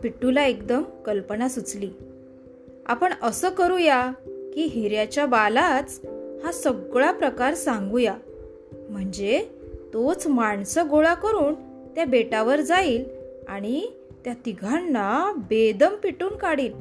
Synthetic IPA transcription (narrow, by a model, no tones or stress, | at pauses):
piʈːulaekd̪əmkəlpənasut͡sliː | a̰pəɳəsəːkəɾujakiːɦiɾjat͡ɕjabalat͡shasəɡɭapɾəkaɾsãŋɡuja | m̤əɳd͡ze | t̪ot͡smaɳsəɡoɭakəɾuːn | t̪jabeʈaʋəɾd͡zaiːlaɽ̃i | t̪jat̪iɡʱanːabed̪əmpiʈuːnkaɽiːl